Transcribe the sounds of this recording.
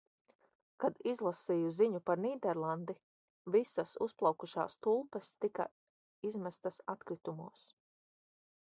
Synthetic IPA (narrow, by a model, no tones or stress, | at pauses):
kad̪izlˠasiːjuziɲupaɾniːd̪ɛɾlˠand̪i | visasusplˠawkuʃa̰ːst̪ulˠpɛst̪ika̰ | izmæst̪asat̪kɾit̪umuɔs